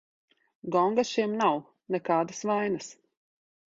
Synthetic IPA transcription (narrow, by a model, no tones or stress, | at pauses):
ɡɔŋɡaʃimnaw | nɛkaːd̪asvajnas